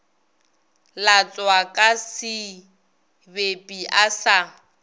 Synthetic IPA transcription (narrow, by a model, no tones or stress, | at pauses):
lat͡sʼwakʼasɪ | bepʼiʔasa